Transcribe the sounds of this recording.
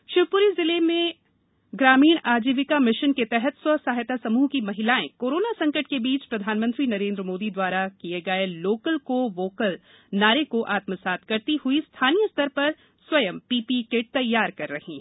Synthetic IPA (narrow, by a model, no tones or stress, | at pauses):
ʃɪbpʊɾizɪlemẽ | ɡɾaːmiːɽ̃aːd͡ʒiːʋɪkamɪʃənket̪ɛɦɛt̪swɐsaːɦɪt̪asɐmuːɦkimɐɦɪlaːẽkoːɾoːnasɐ̃ŋkəʈ̚kebiːt͡ʃpɾɐd̪ʱaːnmə̃nt̪ɾinɐɾẽːnd̪ɾəmoːd̪id̪waːɾakieɡɐeloːkəlkoʋoːkəl | naːɾekoʔaːt̪məsaːt̪̚ʰkɐɾt̪ihʊist̪ʰaːnijəst̪ʰəɾpɐɾ | swɐjə̃mpiːpikeʈ̚t̪ɐjːaːɾkɐɾːɐhĩː